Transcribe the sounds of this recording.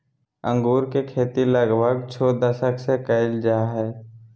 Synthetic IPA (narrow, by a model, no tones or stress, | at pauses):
ə̃ŋɡuːɾkekʰeːt̪iləɡbʱəɡ̚t͡ʃʰoːd̪əʃəksekəɪld͡ʒaɦɛː